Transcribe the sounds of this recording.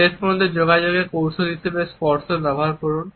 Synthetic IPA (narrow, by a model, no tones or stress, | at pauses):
eʃpɔɾond̪ed͡ʑoɡad͡ʑoɡepowʃʰoɦiʃʰebespɔɾsoɾbɛbʱoɦaɾkɔɾun